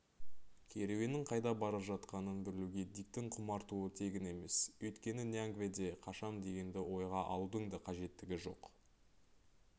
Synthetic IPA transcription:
kʲʰe̞ɾewe̞nɪŋqʰɑjd̪ɑbɑɾəpʒɑt̪qɑnənbɪɾɪluɡʲe̞d̪ijk̚t̪ɪŋqʰʊmɑɾt̪uət̪ʰe̞ɡʲɪne̞me̞swɵjt̪kʲe̞nɪneaŋɡvʲed̪e̞qʰɑʃɑmd̪e̞ɡʲe̞nd̪ɪwo̞jʁɑʔɑlˠud̪əɴd̪ɑqʰɑʒe̞t̪ːɪɡʲɪʒo̞̰q

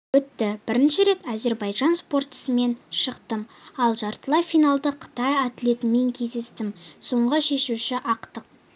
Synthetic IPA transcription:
wɵt̪ːɪb̥ɪɾɪnʃɪɾe̞t̪æze̞ɾbɑjʒɑnspo̞rt̪ə̥səme̞nʃəqt̪əmɑlˠʒɑɾt̪əlˠɑfijnalˠd̪əqʰə̥t̪ɑjɑt̪le̞t̪ɪme̞ŋkʲʰe̞zd̪e̞st̪ɪmso̞ɴʁəʃe̞ʃuʃɪʔɑqt̪əq̚

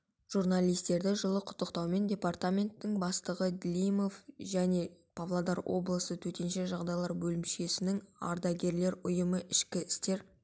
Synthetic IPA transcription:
ʒ̥urnalˠijst̪e̞ɾd̪ɪʒəlˠəqʰʊ̥t̪ːəqt̪ɑwme̞ndʲe̞part̪amʲe̞nt̪ːɪŋbɑst̪əʁəd̪ʲlʲijmo̞fʒæne̞pʰavlˠad̪ɑɾwʔo̞̰blˠəsət̪ʰɵt̪e̞nʃe̞ʒɑʁd̪ɑjlˠɑɾbɵlɪmʃe̞sɪnɪŋɑ̰ɾd̪ɑɡʲe̞ɾle̞ɾʊjəməʔɪʃkʲɪɪst̪e̞ɾ

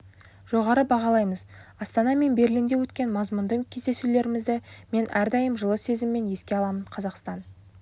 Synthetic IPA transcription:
ʒ̥o̞ʁɑɾəbɑʁɑlˠɑjməzɑst̪ɑnɑme̞nbe̞ɾlind̪ewɵt̪kʲe̞nmɑzmʊnd̪əkʲʰe̞zd̪e̞sule̞ɾɪmɪzd̪ɪme̞nʔæɾd̪ɑjəmʒəlˠəse̞zɪmːe̞nje̞skʲe̞ɑlˠɑmənqʰɑzɑqst̪ɑn

